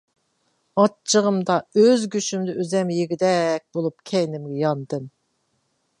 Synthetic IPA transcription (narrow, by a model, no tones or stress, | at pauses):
ɑt͡ʃʰːəʁəmd̪ɑøzɡʲyʃymd̪ɛʔøzɛmjiɡʲid̪ɛk̚ʲbolˠupkʲʰɛjnɪmɡʲɛjɑnd̪ɨn